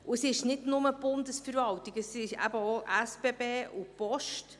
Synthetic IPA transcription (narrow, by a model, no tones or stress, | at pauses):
uəsɪʃnɪdnʊməb̥ʊndəsfəɾvɑltiɡəsɪʃæ̰bəoʔæsb̥ebeːʔupɔʃt